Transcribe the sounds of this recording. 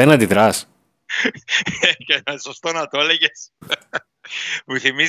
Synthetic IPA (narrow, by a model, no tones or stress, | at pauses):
enɐnd̪iðɾɐs | cenɐsost̪o̞nɐt̪o̞leʝe̞s | muθimiz